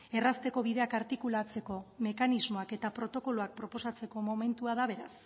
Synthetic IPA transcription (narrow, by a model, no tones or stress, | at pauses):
e̞rast̪e̞ko̞βiðe̞akaɾt̪ikulat͡se̞ko̞me̞kanizmo̞ake̞t̪apɾo̞t̪o̞ko̞loak̚pɾo̞po̞sat͡se̞ko̞mo̞me̞nt̪uaðaβ̞e̞ɾas